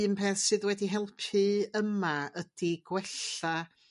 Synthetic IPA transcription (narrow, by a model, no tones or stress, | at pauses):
mpʰɛθsɨðwɛdiɦɛlˠpʰɨəmaəd̥iɡ̥wɛɬa